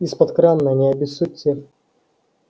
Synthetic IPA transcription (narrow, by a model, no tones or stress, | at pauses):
ispɐt̪kɾanːɐnʲɪɐbʲɪsut̪ʲːe